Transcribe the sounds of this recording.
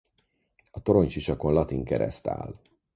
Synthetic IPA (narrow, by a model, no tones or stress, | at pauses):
ɒt̪o̞ɾo̞ɲt͡ʃiʃɒko̞nlɒt̪iŋkɛɾɛ̰st̪a̰ːl